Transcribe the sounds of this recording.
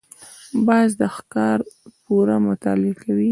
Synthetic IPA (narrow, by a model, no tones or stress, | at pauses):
bɑzd̪əxkɑɾpuɾamʊt̪ɑ̰lɪkawi